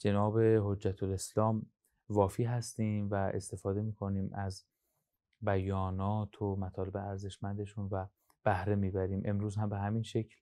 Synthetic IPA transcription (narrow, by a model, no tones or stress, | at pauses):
d͡ʒe̞nɒːbe̞ɦod͡ʒːæt̪ʰoleslɒːm | vɒːfiːɦæst̪iːmvæḛst̪e̞fɒːd̪e̞miːkʰo̞niːmʔæz | bæjɒːnɒːt̪ʰomæt̪ʰɒːle̞beæɾze̞ʃmænd̪e̞ʃunvæ | b̥æhɾe̞miːbæɾiːmʔe̞mɾuːzhæmbe̞ɦæminʃecʰl